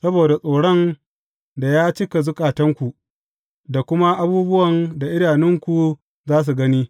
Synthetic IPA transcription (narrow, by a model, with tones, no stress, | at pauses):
sɐ˦boː˨da˨sʼoː˨ɽɔ˦n | da˨jaː˦t͡ʃɪ˦ka˨zʊ˦kʼaː˨tɐ˦ŋkʷu˨ʔ | da˨kʷʊ˦ma˦ʔa˦buː˦bʊ˦wɐ˨nda˨ʔɪ˦ɽaː˨nɪ˦ŋkʷu˨ | zaː˦s̬u˨ɡɐ˦niː˦